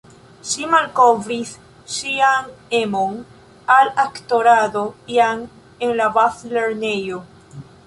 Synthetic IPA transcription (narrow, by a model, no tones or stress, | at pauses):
simalkovɾiθ | siaŋemoŋ | alakt̪oɾaðopjaŋ | eŋlaβaθleɾnejo